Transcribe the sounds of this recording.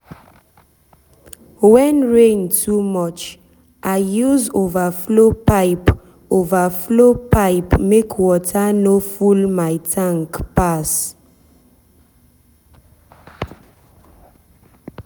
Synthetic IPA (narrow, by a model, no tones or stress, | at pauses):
wɛ̃nɹẽntʰumɔt͡ʃ | ʔaɪjuzovaflopaɪp | ovaflopaɪpmekʰwɔtanofulmaɪtʰãŋkpas